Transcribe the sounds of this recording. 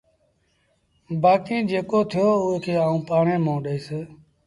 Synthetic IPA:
baːkĩːd͡ʒeːkoːt̪ʰɪjoːʊeːkʰeːaːũːpaːɳẽːmõːɗəiːseː

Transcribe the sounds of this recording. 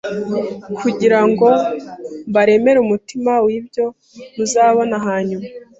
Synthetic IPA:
kʰuɟiɾaŋɡo̞ | mβaɾe̞me̞ɾumutimawibjo̞ | muzaːβo̞naɦaːɲuma

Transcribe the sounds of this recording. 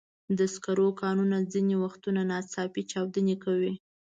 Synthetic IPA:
d̪əskaɾokɑnunad͡zinewaxt̪unanɑt͡sɑpit͡ʃɑwd̪ənekawi

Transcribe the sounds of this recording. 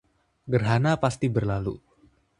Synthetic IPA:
ɡərɦanapast̪ibərlalṵ

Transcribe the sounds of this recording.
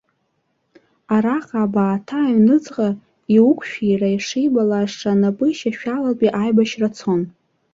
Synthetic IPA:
aɾaqʼaːbaːtʰaːɥnɨt͡sʼqʼa | iwukʷʰʼʃᶣirajʂejbalaʂʈ͡ʂanapʼɨiʃaʃᶣalapʼiʔajbaʃrat͡sʰon

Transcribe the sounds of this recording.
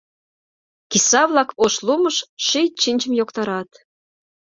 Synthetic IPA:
kisɑβlɑkoʃluməʃʃijt͡ɕinʲt͡ɕə̆mjokt̪ɑɾɑt̪

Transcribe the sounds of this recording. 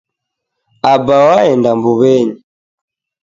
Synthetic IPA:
abawaɛndambuβɛɲi

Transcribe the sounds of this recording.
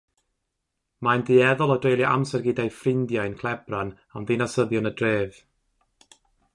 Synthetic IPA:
majndɨɛðɔlˠɔdrejlˠjaʔa̰msɛrɡɪdajfrɪndjaɨnkʰlˠɛbran | amðinasəðjɔnədreːv

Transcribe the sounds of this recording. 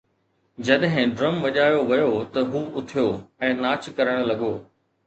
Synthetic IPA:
d͡ʑɐɗɦɪ̃ɖɾɐmʋɐʄaːjoʋɐjot̪ɐɦuːʊt̪ʰijoːɛ̃ːnaːt͡ɕkɐɾəɽ̃̆lɐɡoː

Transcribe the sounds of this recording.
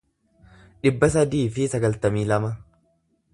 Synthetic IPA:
ᶑɪbːɐs̬ɐd̪iːfɪsɐɡɐlt̪ɐmiːlɐmɐ

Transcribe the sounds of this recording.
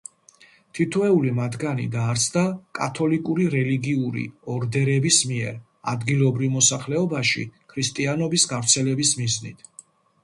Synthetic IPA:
t̪ʰit̪ʰvɛulimat̪ʰɡanḭd̪aːɾt̪sʰd̪akʼat̪ʰɔlikʼuɾiɾɛliɡiuɾḭɔɾd̪ɛɾɛbismiɛɾ | a̰d̪ɡilˠɔbɾivmɔsaχlɛɔbaʃḭkʰɾist̪ʼianɔbisɡavɾt̪sʰɛlɛbismiznḭt̪ʰ

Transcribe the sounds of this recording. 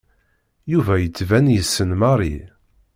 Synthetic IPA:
juvæjət͡sːvænjəsːənmɑɾˤi

